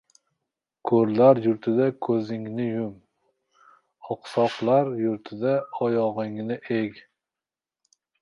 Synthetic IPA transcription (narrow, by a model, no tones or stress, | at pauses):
kʰɵɾlaɾjʊɾt̪ʰɪd̪akʰɵzɪŋnɪjʊm | ɒqsɒqlˠaɾjʊɾt̪ʰɪd̪aɒjɒʁɨŋnɪʔeɡʲ